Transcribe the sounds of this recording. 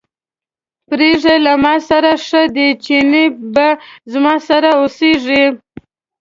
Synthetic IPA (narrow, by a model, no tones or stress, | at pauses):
pɾeʐelamɑsaɾaʂəd̪et͡ʃinibazmɑsaɾaoseʐi